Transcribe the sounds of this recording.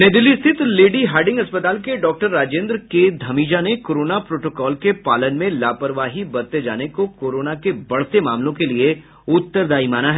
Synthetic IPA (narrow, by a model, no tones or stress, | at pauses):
neːd̪ɪlist̪ʰɪt̪leːɖiɦaːɾɖɪ̃ŋɡɐspət̪aːlkeɖɔːk̚ʈəɾːaːd͡ʒẽːnd̪ɾked̪ʱɐmiːd͡ʒanekoːɾoːnapɾoːʈoːkɔːlkepaːlənmẽlaːpəɾʋaːɦibɐɾt̪ed͡ʒaːnekokoːɾoːnakebɐɽsemaːmlõkelie | ʊt̪ːəɾd̪aːimaːnaɦɛ